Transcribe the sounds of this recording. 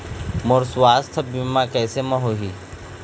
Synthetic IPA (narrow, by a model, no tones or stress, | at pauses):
moɾsʋaːst̪ʰəbimãkɛːsemɐ̃ɦoːɦi